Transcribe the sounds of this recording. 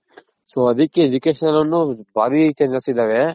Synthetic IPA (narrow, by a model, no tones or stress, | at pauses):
soːɐd̪ikːeed͡ʒukeːʃɐnɐlɐnːubʱaːɾit͡ʃed͡ʒaːsid̪aːʋe